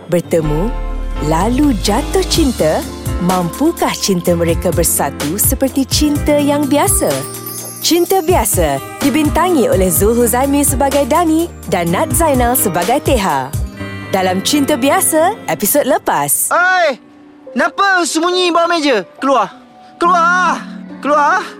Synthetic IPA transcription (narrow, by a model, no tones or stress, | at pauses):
bərt̪əmũlalud͡ʒat̪ʊht͡ʃint̪ə | mãmpukaht͡ʃint̪əmə̃ɾekabərsat̪usəpərt̪it͡ʃint̪əjaŋbiasa | t͡ʃint̪əbiasad̥ibint̪aŋĩʔolɛhzuɦuzamĩsəbaɡajdanĩ | danːat̪̚zajnalsəbaɡajt̪eɦa̰ʔdalamt͡ʃint̪əbiasaepisod̚ləpasəj | nãpəsəmũɲĩbawamẽd͡ʒəkəluah | kəlua | kəlua